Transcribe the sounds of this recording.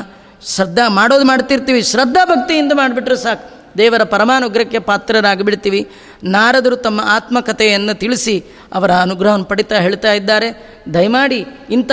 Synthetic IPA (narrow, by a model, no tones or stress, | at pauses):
ʃɾɐd̪ʱːamaːɽoːd̪umaːɽt̪iɾt̪iːʋiʃɾɐd̪ʱːabʱɐk̚t̪ijind̪ɐmaːɖbiʈːɾusaːkʰ | d̪ɛːʋɐɾɐpɐɾɐmaːnuɡɾɐkːepaːt̪ɾɐɾaːɡɐbiɽt̪iːʋi | naːɾɐd̪ɐɾut̪ɐmːɐʔaːt̪mɐkɐt̪ʰɛjɐnːut̪iɭisi | ɐʋɐɾɐːnuɡɾɐɦɐnːpɐɽit̪aɦe̞ːɭt̪aːjid̪ːaːɾe̞ | d̪ʱɐjmaːɽiːnt̪